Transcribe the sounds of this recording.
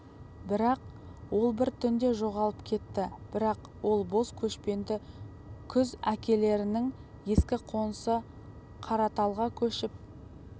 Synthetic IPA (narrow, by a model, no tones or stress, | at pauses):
bɪɾɑq | wo̞lˠbɪɾt̪ʰʏnd̪e̞ʒo̞ʁɑlˠəpkʲʰe̞t̪ːɪb̥ɪɾɑq | wo̞lˠbo̞skʲʰɵʃpe̞nd̪ɪ | kʲʰʏzækʲe̞le̞ɾɪnɪŋ | je̞skʲɪqʰo̞nəsə | qʰɑɾɑt̪ɑlˠʁɑkʲʰɵʃɪp̚